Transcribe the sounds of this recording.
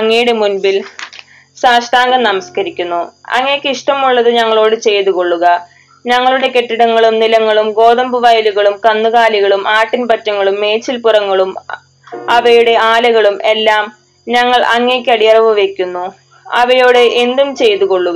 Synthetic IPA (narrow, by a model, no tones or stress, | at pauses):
ɐŋːejuɽe̞munbil | saːʂʈaːŋɡɐmnɐmɐskɐɾikʲːunːuɐ̰ŋːekʲːɨiʂʈɐmuɭːɐðɨɲɐŋːɐɭo̞ːɽɨt͡ɕe̞jt̪uɣo̞ɭːuɣɐ | ɲɐŋːɐɭuɽe̞ke̞ʈːiɽɐŋːɐɭumnilɐŋːɐɭumɡo̞ːðɐmbuʋajiluɣɐɭumkɐnːuɣaːliɣɐɭumʔaːʈːinpɐtːɐŋːɐɭumːe̞ːt͡ɕːilpurɐŋːɐɭum | ɐʋɐjuɽe̞aːlɐɣɐɭumʔe̞lːaːm | ɲɐŋːɐɭɐŋːeːkʲːɨɐɽijɐrɐʋuʋe̞kʲːunːu | ɐ̰ʋɐjoːɽeʔend̪umt͡ɕe̞jt̪uɣo̞ɭːuɣɐ